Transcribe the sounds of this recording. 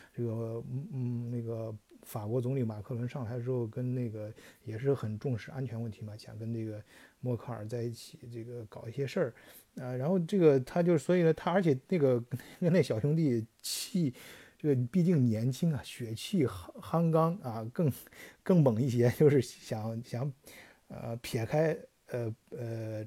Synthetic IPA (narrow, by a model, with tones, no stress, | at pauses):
ʈ͡ʂɤ˥˩ɡə˩˥˩ | ne˥˩ɡə˩fa˨˩kwɔ˧˥t͡sʊ˧˥ŋli˧˥ma˨˩kʰɤ˥˧lwə˧˥nʂɑ˥˩ŋxa˧˥ʂ̩˧˩ʂo˥˧kə˥nne˥˩ɪɡə˩jɛ˨˩ʂ̬ɻ̩˥˩xə˨˩nʈ͡ʂʊ˥˧ŋʂɻ̩˥ʔa̰˥nt͡ɕʰɥɛ˧˥nwə˥˩nt̪ʰi˧˥mɐ˧ɕjɑ̰˨˩ŋkə˥nʈ͡ʂɤ˥˩ɡə˩mwɔ˥˧kʰɑ˥˩ə̰˞˨˩t͡sa˥˧ɪi˥˩t͡ɕʰi˨˩˦ʈ͡ʂɤ˥˩ɡə˩kɑ˨˩ʊi˥˩ɕjɛ˥ʂə˞˥˩ | ə˧ɻa˧˥nxo˥˧ʊʈ͡ʂɤ˥˩ɡə˩t̪ʰa˥t͡ɕjo˥˧ʊʂɻ̩˥˩swɔ˧˥i˨˩nə˦t̪ʰa˥ə˞˧˥t͡ɕʰɛ˨˩na˥˩ɡə˩˥n˥kə˥ne˥˩ɡə˩ɕɑ˨˩ʊɕʊ˧˥ŋt̪̬i˥˩˨t͡ɕʰi˥˩ʈ͡ʂɤ˥˩ɡə˩pi˥˧t͡ɕi˥˩ŋnjɛ˧˥nt͡ɕʰi˥ŋɐ˨ɕɥɛ˨˧˩t͡ɕʰi˥˩xxa˥ŋkɑ˥ŋɐ˧kɤ˥˩˧ŋkɤ˥˩ŋmə˨˩ŋi˥˩ɕ̬jɛ˥t͡ɕjo˥˧ʊʂɻ̩˥˩ɕjɑ˨˩˦ŋɕjɑ˧˥˦ŋ | ə̰˧pʰjɛ˨˩˥kʰa˥ɪ | ə˧ə˧